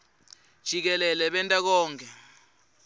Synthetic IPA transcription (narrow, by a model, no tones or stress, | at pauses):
d̥ʒ̥ʱik̬ɛlɛlɛɓɛntʼak̬ɔːŋkʰʼɛ